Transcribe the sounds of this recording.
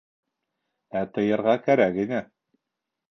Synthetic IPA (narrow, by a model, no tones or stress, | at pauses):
æt̪ɤ̆jɤ̆ɾʁɑkæɾækinæ